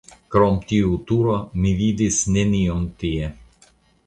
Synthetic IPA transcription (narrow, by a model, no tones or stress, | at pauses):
kɾɔmt̪ʲiut̪uɾomivid̪ʲisnʲenʲijɔmt̪iɛ